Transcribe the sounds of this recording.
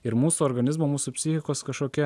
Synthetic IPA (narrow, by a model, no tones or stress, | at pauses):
ɪɾmuːsuɔːɾɡɐnʲɪzmoːmuːsupʲsʲɪxʲɪkoːskɐʃkoːkʲiɛ